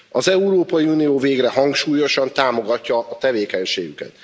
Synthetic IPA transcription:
ɒzɛuɾoːpɒjiunijoːveːɡrɛɦɒŋkʃuːjo̞ʃɒnt̪aːmo̞ɡɒcːɒɒt̪ɛveːkɛɲʃḛːɡykɛ̰t̪

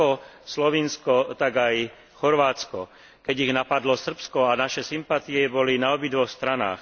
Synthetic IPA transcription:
ɔslɔʋinskɔt̪aɡaj | xɔɾʋaːt͡skɔ | kɛɟiɣnapad̪lɔsr̩pskɔanaʃɛsimpat̪iɛbɔlinaɔbid̪ʋɔxst̪ɾana̰ːx

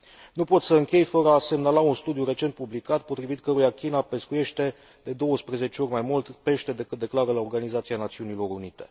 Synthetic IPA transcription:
nupo̞t̪səɨŋkʲe̞jfəɾəase̞mnalaunst̪ud̪ijuɾe̞t͡ʃe̞nt̪publikat̪̚po̞t̪ɾivit̪kəɾujakʲinape̞skuje̞ʃt̪e̞ | d̪e̞d̪o̞wəspɾeze̞t͡ʃeo̞rʲmajmult̪pe̞ʃt̪e̞d̪e̞kɨt̪̚d̪e̞klaɾəlao̞rɡanizat̪sianat̪siunilo̞ɾunit̪e̞̥

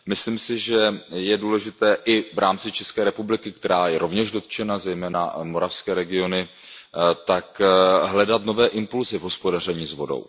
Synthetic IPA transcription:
mɪsliːmsɪʒɛjɛduːlɛʒɪt̪ɛːʔɪvɾʔaːmt͡sɪt͡ʃɛskɛːɾɛpublɪkɪk̚t̪ɛɾaːjɛɾo̞vɲɛʒdo̞t̪t͡ʃɛnazɛjmɛːna̰mo̞ɾafskɛːɾɛɡɪo̞nɪ | t̪akɦlɛdat̪no̞vɛːʔɪmpulzɪvɦo̞spo̞dar̝ɛɲiːzvo̞do̞̰w

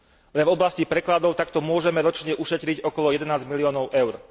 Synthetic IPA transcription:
lɛnvɔblascipɾɛklad̪ɔʊt̪akt̪ɔmʊɔʒɛmɛɾɔt͡ʃɲɛʔuʃɛt̪ɾiɟɔkɔlɔjɛd̪ɛnaːzɟmiliɔːnɔʊʔɛʊɾ

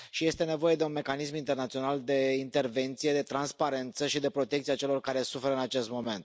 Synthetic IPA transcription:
ʃije̞st̪e̞ne̞vo̞je̞d̪e̞unme̞kanismint̪e̞rnat̪sio̞nald̪e̞int̪e̞rve̞nt̪sijed̪e̞t̪ɾanspaɾe̞nt̪səʃid̪e̞pɾo̞t̪ekt̪siat͡ʃe̞lo̞rkaɾe̞sufe̞ɾəɨnat͡ʃe̞st̪mo̞me̞nt̪

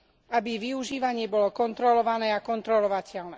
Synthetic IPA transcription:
abiʋiuʒiːʋaɲɪɛbɔlɔkɔnt̪ɾɔlɔʋanɛːakɔnt̪ɾɔlɔʋacɛlnɛː

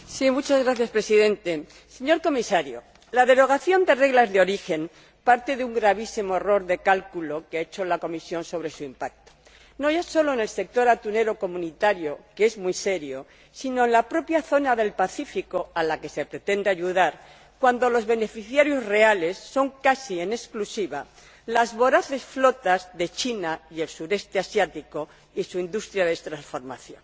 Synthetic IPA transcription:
simut͡ʃazɣɾaθjaspɾe̞siðẽ̞nt̪e̞ | se̞ɲo̞ɾko̞misaɾjo̰ | laðe̞ɾo̞ɣ̞aθjo̞nd̪e̞re̞ɣlazðeo̞ɾixe̞n | paɾt̪e̞ðeuŋɡɾaβ̞isimo̞e̞ro̞ɾðe̞kalkulo̞keaet͡ʃo̞lako̞misjo̞nso̞β̞ɾe̞suimpak̚t̪o̥ | no̞ʝaso̞lo̞ene̞lse̞k̚t̪o̞ɾat̪une̞ɾo̞ko̞mũnit̪aɾjo̞kee̞zmwise̞ɾjo̞̰ | sino̞enlapɾo̞pjaθo̞naðe̞lpaθifiko̞alake̞se̞pɾe̞t̪e̞nd̪eaʝuðaɾ | kwand̪o̞lo̞zβe̞ne̞fiθjaɾjo̞zre̞ale̞sːo̞ŋkasie̞ne̞sklusiβa | lazβo̞ɾaθe̞sflo̞t̪azðe̞t͡ʃinaielsuɾe̞st̪e̞asjat̪iko̞ | isuind̪ust̪ɾjaðest̪ɾansfo̞ɾmaθjo̞̰n

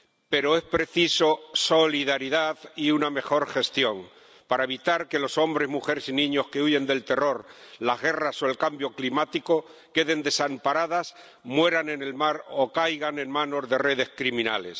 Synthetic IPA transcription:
pe̞ɾo̞e̞spɾe̞θiso̞so̞liðaɾiðaðiuname̞xo̞ɾxe̞st̪jo̞ŋ | paɾae̞β̞it̪aɾke̞lo̞so̞mbɾe̞zmuxe̞ɾesinĩɲo̞ske̞uʝe̞nd̪e̞lt̪e̞ro̞ɾlazɣe̞rasoe̞lkambjo̞klimat̪iko | ke̞ðe̞nd̪e̞sampaɾað̞as | mwe̞ɾane̞ne̞lmaɾo̞kajɣane̞ŋmãno̞zðe̞re̞ð̞e̞skɾimĩna̰le̞̰s

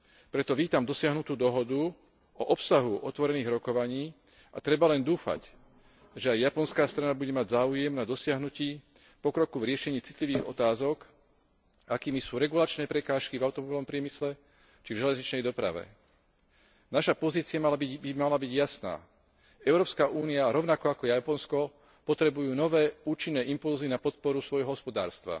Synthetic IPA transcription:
pɾɛt̪ɔʋiːt̪amd̪ɔsɪaɦnut̪uːd̪ɔɦɔd̪u | ɔʔɔpsaɦuʔɔt̪ʋɔɾɛniːɣɾɔkɔʋaɲiː | ʔa̰t̪ɾɛbalɛnd̪uːfa̰c | ʒɛajjapɔnskaːst̪ɾanabuɟɛmaɟzaːujɛmnad̪ɔsɪaɦnuciː | pɔkɾɔkuvɾɪɛʃɛɲiːt͡si̥t̪liʋiːɣɔt̪aːzɔk | akiːmisuːɾɛɡulat͡ʃnɛːpɾɛkaːʃkivaʊt̪ɔmɔbilnɔmpɾɪɛmislɛ | t͡ʃivʒɛlɛzɲit͡ʃnɛjd̪ɔpɾa̰ʋɛ̰ | naʃapɔziːt͡siɪamalaiimalabiɟjasna̰ː | ɛʊɾɔːpskaʔuːniaɾɔʊnakɔakɔjapɔnskɔ | pɔt̪ɾɛbujuːnɔʋɛːuːt͡ʃinːɛːʔimpulzinapɔt̪̚pɔɾusʋɔjɦɔɦɔspɔd̪a̰ːɾst̪ʋa̰

